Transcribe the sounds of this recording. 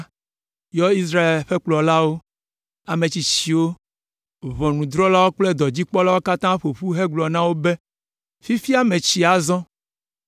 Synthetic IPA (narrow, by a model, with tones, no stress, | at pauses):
jɔ˦i˦s̬ɾa˦e˨lɸe˦k͡plɔ˨la˦wo˦ | a˨mẽ˨t͡ɕi˨t͡ɕi˨wo˦ | βɔ˨nũ˨d̪ɾɔ˦la˦wo˦k͡ple˦d̪ɔ˨d͡ʑi˦k͡pɔ˦la˦wo˦ka˦t̪ã˦ɸo˨ɸu˦ɦe˦ɡ͡blɔ˨nã˦wo˦be˦ | fi˦fi˦a˦mẽ˨t͡ɕi˨a˨zɔ̃˦